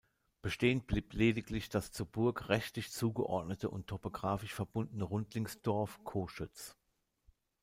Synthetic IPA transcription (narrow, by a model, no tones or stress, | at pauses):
b̥əʃteːəntb̥liːpʰleːdɪklɪçd̥ast͡suːɐbʊɐkʁɛçtlɪçt͡suːɡəʔɔ̰ɐtnətəʔʊ̰ntʰːopoɡʁaːfɪʃfɛɐbʊndən̩əʁʊntlɪŋsd̥ɔɐfkʰoːʃʏt͡s